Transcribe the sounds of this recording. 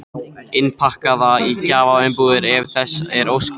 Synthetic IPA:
ɪnpʰahkaðaicaːvaɪmpuðɪɾɛvθɛsɛɾowsk

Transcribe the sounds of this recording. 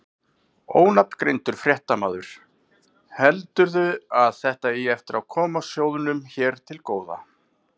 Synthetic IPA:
o̰ːwnap̚n̥kɾejnt̪ʏɾ̥fɾjɛht̪amaːðʏɾ̥ | hɛlt̪ʏɾðʏaðθɛht̪aiɛft̪ɪɾawkʰɔːmasjoːwðʏnʏmçɛːɾ̥t̪ʰɪlkoːwða̰

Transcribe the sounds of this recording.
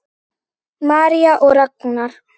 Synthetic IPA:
maːɾijaʔʊɾakːʊnaɾ

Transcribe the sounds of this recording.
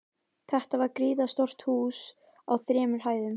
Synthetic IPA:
θɛht̪avaɾkɾiːðast̪ɔr̥t̪huːs | awθɾɛːmʏɾ̥ɦaːjðʏm

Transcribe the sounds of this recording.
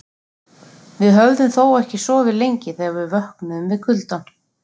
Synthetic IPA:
vɪðɦœvðʏmθoːwɛhcɪsɔːvɪðlejɲcɪθɛːɣavɪðvœhknʏʏmvɪðkʰʏlt̪an

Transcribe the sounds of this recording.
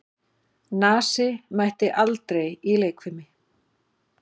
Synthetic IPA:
naːsɪmajht̪ɪʔalt̪ɾejileːjkʰvʏmɪ

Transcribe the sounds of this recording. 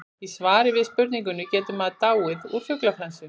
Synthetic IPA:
isvaːɾɪvɪðspʏɾt̪niŋkʏnʏcɛːt̪ʏmaðt̪aːwɪðṵɾ̥fjœklafɾansʏ

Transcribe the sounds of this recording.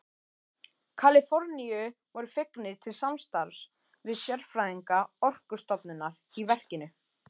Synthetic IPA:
kʰalɪfɔɾniʏ | vɔɾʏfɪknɪɾ̥t̪ʰɪlsamst̪aɾs | vɪðsjɛɾfɾaðiŋkaɔr̥kʏ̥st̪ɔpnʏnaɾ | ivɛr̥cɪnʏ

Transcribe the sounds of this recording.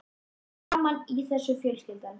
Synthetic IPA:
amaniθɛsːʏfjœːɾʏst̪ɪlt̪an

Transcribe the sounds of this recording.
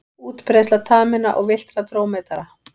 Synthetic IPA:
uːt̪pʰɾɛstlat̪ʰaːmɪna̰ʔɔɣvɪl̥t̪ɾat̪ʰɾoːwmɛt̪aɾa

